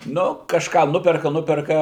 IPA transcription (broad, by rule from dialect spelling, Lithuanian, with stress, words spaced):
ˈnʊ kɐʃˈkɑː ˈnʊpʲɛrkɐ ˈnʊpʲɛrkɐ